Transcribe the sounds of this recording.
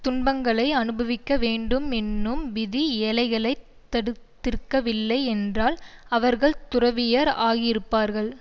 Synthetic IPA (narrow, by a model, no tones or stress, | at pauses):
t̪ʊnbɐŋɡɐɭɐɪɐnɯbɐʋɪkːɐʋeːɳɖɯmɛnːɯmʋɪðiɛlɐɪɣɐɭɐɪ | t̪ːɐɽɯt̪ːɪɾkːɐʋɪlːɐɪɛndraːlɐʋɐɾɣɐɭt̪ʊrɐʋɪjɐɾaːɣɪɾɯpːaːɾɣɐɭ